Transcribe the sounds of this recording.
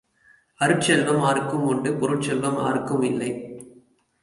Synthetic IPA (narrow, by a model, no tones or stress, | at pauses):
ɐɾɯʈt͡ʃɛlʋɐmaːɾɯkːɯmʊɳɖɯpʊɾɯʈ̚t͡ʃɛlʋɐma̰ːɾɯkːɯmɪlːɐɪ